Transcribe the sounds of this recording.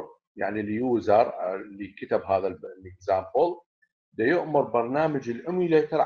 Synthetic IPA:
ja̰ʕniljuːzɑɾˤlikat̪abɦaːðallɪɡzaːmbʊl | d̪ajʊʔmʊɾˤbɑɾˤnaːmad͡ʒɪlʔɪmileːt̪aɾ

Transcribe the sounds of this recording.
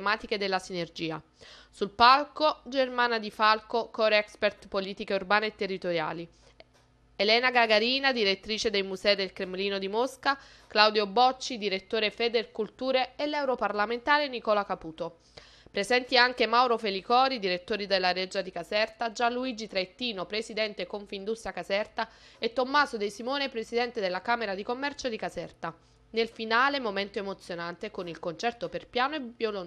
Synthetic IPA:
emaːt̪iked̪elːasinerd͡ʒiːa | sulpalkod͡ʒermaːnad̪ifalkokɔɾɛkspert̪poliːt̪ikeurbaːneːt̪ːerːit̪oɾja̰ːli | elɛːnaɡaɡaɾiːnad̪iɾet̪ːɾiːt͡ʃed̪ejmuzɛid̪elkɾemeliːnod̪imoska | klawd̪jobɔt͡ʃːid̪iɾet̪ːoːɾefeːd̪ekult̪uːɾeelːɛwɾoparlament̪aːɾenikɔːlakapuːt̪o | pɾezɛnt̪iaŋk̟emawɾofelikɔːɾid̪iɾet̪ːoːɾid̪elːaɾɛd͡ʒad̪ikazɛrt̪ad͡ʒanluid͡ʒit̪ɾaet̪ːiːnopɾesid̪ɛnt̪ekoɱfind̪ust̪ɾjakazɛrt̪a | et̪ːomːaːzod̪ejsimoːnepɾesid̪ɛnt̪ed̪elːakaːmeɾad̪ikomːɛrt͡ʃod̪ikazɛrt̪a | nelfinaːlemomɛnt̪oemot̪sːjonant̪ekonilkont͡ʃɛrt̪operpjaːnoevjolon

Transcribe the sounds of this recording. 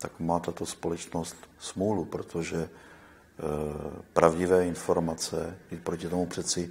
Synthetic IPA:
t̪akmaːt̪at̪o̞spolɛt͡ʃnost̪smuːlupɾot̪ʰoʒɛ | pɾavɟɪvɛːɪnfo̞ɾmat͡sɛjit̪̚pɾocɪt̪omupr̝̥ɛt̪t͡sɪ

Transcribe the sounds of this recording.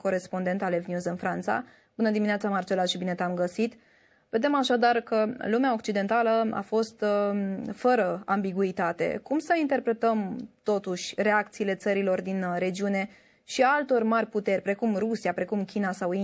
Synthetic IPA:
ko̞ɾe̞spo̞nd̪e̞nt̪alevnʲjuzɨnfɾant̪sa̰ | b̥unəd̪imineat̪samart͡ʃe̞laʃibine̞t̪amɡəsit̪ | ve̞d̪e̞maʃad̪arkəlumeao̞kt͡ʃid̪e̞nt̪aləa̰fo̞st̪ | fəɾəambiɡuit̪at̪e̞̰kumsəint̪e̞rpɾe̞t̪əmt̪o̞t̪uʃʲre̞ak̚t̪siːle̞t̪səɾilo̞rd̪inɾe̞d͡ʒiune̞ | ʃialt̪o̞rʲmarʲput̪e̞rʲpɾe̞kumrusiapɾe̞kumkʲinasawi

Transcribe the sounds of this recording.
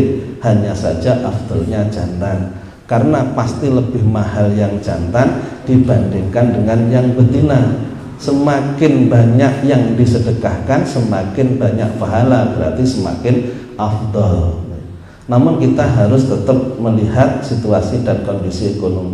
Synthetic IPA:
haɲasa̰d͡ʒaʔafd̪̥ɔlɲad͡ʒa̰nt̪an | kaɾənapast̪iləbɪhmahaljaŋd͡ʒa̰nt̪and̥ibandɪŋkandəŋanjaŋbəd̪ina | səmakɪnbaɲaʔjaŋdisədəkahkansəmakɪnbaɲaʔ̚baɦalab̥əɾa̰t̪isəma̰kɪn | afd̪ɔl | namʊnkit̪aɦaɾʊst̪ət̪əp̚məliɦat̪̚sit̪uasidankɔndisiekonomi

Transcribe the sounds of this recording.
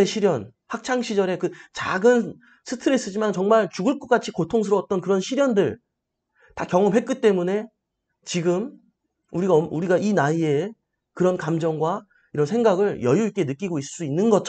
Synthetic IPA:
eɕʰiɾjʌn | hak̚t͡ɕʰaŋɕʰid͡ʑʌɾe̞kɯt͡ɕa̰ɡɯn | sʰɯtʰɯɾes͈ɯd͡ʑimant͡ɕʌŋmaɭt͡ɕuɡɯɭk͈ok͈at͡ɕʰikotʰoŋs̬ʰɯɾʌʌt̚t͈ʌnkɯɾʌnɕʰiɾjʌndɯɭ | takjʌŋʌmɦe̞t̚k͈it͈e̞mune̞ | t͡ɕiɡɯm | uɾiɡaʌuɾiɡainaie̞ | kɯɾʌnkamd͡ʑʌŋɡwa | iɾʌnsʰe̞ŋɡaɡɯɭjʌjuik͈e̞nɯk͈iɡoiss͈uinːɯnɡʌt͡ɕʰ

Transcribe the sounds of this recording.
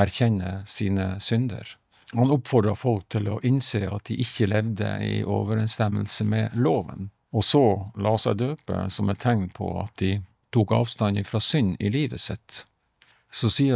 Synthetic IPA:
æɾçɛnːəsiːnəsʏnd̪ə̰ɾ | hɑnʊpfɔɖ̪ɾɑfɔlk̚t̪ʰɪlɔʔɪnseːɑt̪̚d̪ɪʔɪçːəlɛʋd̪ə̰ɪ̰ʔo̰ːʋəɾɛnst̪ɛmːəlsəmɛloːʋə̰n | ɔsɔlɑːsæɪd̪øːpə̰sɔmɛt̪ʰːɛŋlpʰɔ̰ɑ̰t̪̚d̪ɪ | t̪ʰuːkɑ̰ːʋst̪ɑnɪfɾɑsʏnɪliːʋəsɪt̪ | sɔsiːə

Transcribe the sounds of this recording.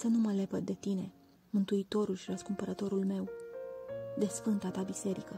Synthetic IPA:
sənuməle̞pət̪̚d̪e̞t̪ine̞ | mɨnt̪uit̪o̞ɾulʃiɾəskumpəɾət̪o̞ɾulme̞w | d̪e̞sfɨndt̪at̪abise̞ɾikə

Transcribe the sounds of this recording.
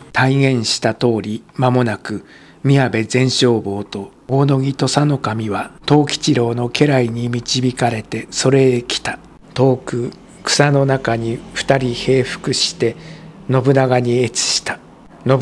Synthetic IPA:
t̪aiɡẽ̞ɰ̃ɕi̥t̪at̪o̞ːɾʲimamo̞nakɯ̟ | mʲiabe̞zẽ̞ɰ̃ɕo̞ːbo̞ːt̪o̞ | oːno̞ɡʲit̪o̞sano̞kamʲiβat̪o̞ːkʲi̥t͡ɕiɾo̞ːno̞ke̞ɾaiɲ̟imʲit͡ɕibʲikaɾe̞t̪e̞so̞ɾe̞ːkʲi̥t̪ḁ | t̪o̞ːkɯ̟ | kɯ̥sano̞nakaɲ̟iɸɯ̥t̪aɾʲihe̞ːɸɯ̥kɯ̟ɕi̥t̪e̞no̞bɯ̟naɡaɲ̟ie̞t͡sɨ̥ɕi̥t̪ḁ | no

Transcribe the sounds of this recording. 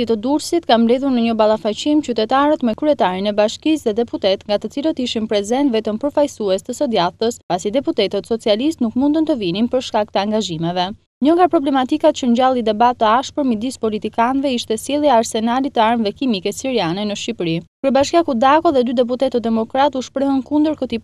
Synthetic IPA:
it̪əd̪uɾsit̪kambɾɛðuɾnəɲəbalˠafat͡ɕimt͡ɕyt̪ɛt̪aɾət̪mɛkɾyɛt̪aɾinɛbaʃkisðɛd̪ɛput̪ɛt̪ŋɡat̪ət͡silət̪əiʃinpɾɛzɛnt̪vɛt̪əmpəɾfajsuɛst̪əsɔd̪jat̪əspasid̪ɛput̪ɛt̪ət̪sɔt͡sialist̪nukmund̪ənt̪əvininpəɾʃkak̚t̪əaŋɡaʒimɛvɛ | ɲɔŋɡapɾɔblɛmat̪ikat̪t͡ɕəɲɟalˠid̪ɛbat̪ːəaʃpəɾmid̪ispɔlit̪ikanvɛiʃt̪ɛsilˠiaɾsɛnalit̪əaɾmvɛkimikɛsiɾianɛnəʃipɾikəɾbaʃkakud̪akɔðɛd̪yd̪ɛp̬ut̪ɛt̪əd̪ɛmɔkɾat̪uʃpɾəɦənkund̪əɾkət̪i

